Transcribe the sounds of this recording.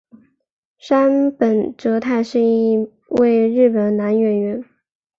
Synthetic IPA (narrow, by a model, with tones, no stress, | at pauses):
ʂa˥npə˨˩nʈ͡ʂɤ˧˥t̪ʰa˥˧ɪʂɻ̩˥˧i˥˧ | we˥˧ɪɻɻ̩˥˩pə˨˩nna˧˥nɥɛ˧˩nɥɛ˧˥n